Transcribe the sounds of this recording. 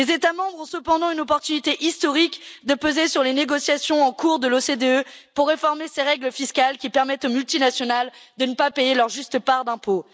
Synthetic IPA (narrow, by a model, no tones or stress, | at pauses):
lezet̪amɑ̃bʁɔ̃səpɑ̃d̪ɑ̃ynɔpɔʁt̪ynit̪eʔist̪ɔʁikd̪əpøzesyʁleneɡɔsjasjɔ̃ɑ̃kuʁd̪əlosed̪eøpuʁːefɔʁmeseʁɛɡləfiskalkʲipɛʁmɛt̪omylt̪inasjɔnald̪ənəpapejelœʁʒyst̪əpaʁd̪ɛ̃po